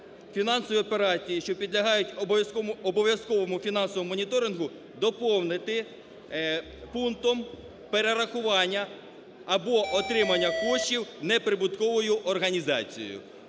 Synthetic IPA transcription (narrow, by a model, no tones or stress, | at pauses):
fʲinɑnsɔʋʲiɔpeɾɑt͡sʲijiʃt͡ʃɔpʲid̪lʲɐɦɑjʊtʲɔjskɔɔbɔʋʲjɐskɔʋɔmʊfʲinɑnsɔʋɔmmːɔnʲit̪ɔɾɪnɦʊ | d̪ɔpɔwnɪt̪ɪ | punt̪ɔm | peɾeɾɐxʊʋɑnʲːɐː | bɔʔɔt̪ɾɪmɐnʲːɐkɔʃt͡ʃiwnɛpɾɪbʊt̪kɔʋɔjʊʔɔrɦɐnʲizɑ̰t͡sʲijɔ̰jʊ̰